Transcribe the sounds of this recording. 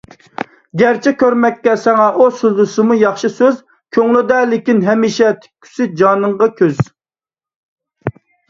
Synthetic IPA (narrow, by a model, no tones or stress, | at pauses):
ɡʲæɾt͡ʃʰɛkʲʰøɾmɛkʲːɛsɛŋɛʔosyld̪usɨmujɑχʃɨsøz | kʲʰøŋlɪd̪ɛlɪkʲinɦɛmiʃɛt̪ʰɪ̥kʲʰːy̥sɪd͡ʒɑːnɨɴʁɑkʲʰøz̥